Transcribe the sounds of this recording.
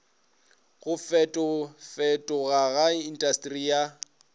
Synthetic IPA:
ɣʊfɛtʼɔfɛtʼɔɣaɣaindʼastʼrija

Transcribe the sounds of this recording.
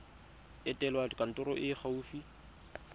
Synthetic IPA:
ɛtʼɛlwakʼan̩tʼʊɾɔʔɪχʰauːfi

